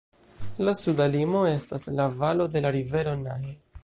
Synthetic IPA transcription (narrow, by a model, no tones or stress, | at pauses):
lasudalimo̞e̞staslavalo̞de̞laɾive̞ɾo̞nae